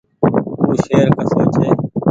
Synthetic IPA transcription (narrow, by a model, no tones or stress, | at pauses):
uːʃeːɾkəsaːt͡ʃʰeː